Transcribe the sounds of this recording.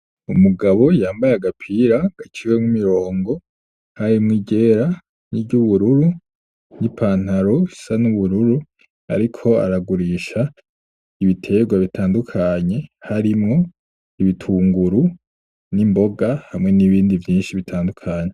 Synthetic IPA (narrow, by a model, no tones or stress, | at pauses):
umuɡaβo̞jaːmbajeaɡapʰiːɾaɡ̥at͡ʃiɾwemŋimiɾo̞ːŋɡo̞ | haɾimŋiɟe̞ːɾa | niɟuβuɾuɾu | nipʰaːn̥haɾoisanuβuɾuɾu | a̰ɾikʰo̞a̰ɾaɡuɾiʃa | iβitʰe̞ɡwaβitaːndukʰaɲe̞haɾimŋo̞ | iβitʰuːŋɡuɾu | nimbo̞ɡahamŋe̞niβiːndivjiːnʃiβitʰaːndukʰaɲe